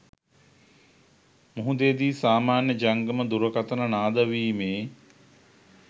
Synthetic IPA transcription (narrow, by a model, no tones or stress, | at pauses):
muɦud̪ed̪iːsaːmaːnjəd͡ʒaŋɡəməd̪uɾəkat̪ənənaːd̪əʋiːmeː